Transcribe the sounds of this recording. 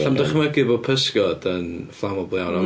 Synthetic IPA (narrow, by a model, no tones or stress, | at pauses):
ɬamdaχməɡɪbɔpʰəskɔdənflˠamɔblˠjawnɔ